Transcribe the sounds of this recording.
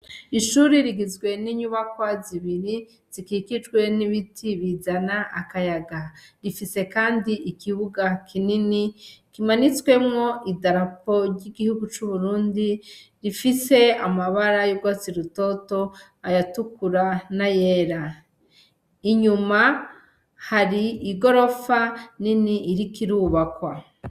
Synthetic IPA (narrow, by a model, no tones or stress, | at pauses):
iʃuɾiɾiɡizɡwe̞niɲuβakwaziβiɾi | z̥ikiːkitwe̞niβitʰiβizanaʔakajaɡaɾifise̞kaːndiʔikiβuɡakʰininikimanit͡swe̞mŋo̞ʔidaɾapo̞ɾɟiɡihuɡut͡ʃuβuɾuːndiɾifise̞amaβaɾajuɡwat͡siɾuto̞to̞ | ajatukuɾanaje̞ːɾa | iɲuma | haɾiːɡo̞ɾo̞faniniːɾikiɾuβakwa